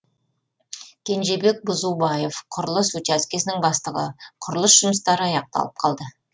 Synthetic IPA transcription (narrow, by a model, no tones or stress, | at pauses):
kʲʰe̞nʒe̞be̞k̚bʊzubɑje̞fqʰʊɾəlˠəsɵt̪æskʲe̞sɪnɪŋbɑst̪əʁə̰qʰʊɾəlˠəsʒ̥ʊməst̪ɑɾəɑjɑq̚t̪ɑ̰lˠə̥p̚qʰɑ̰lˠd̪ə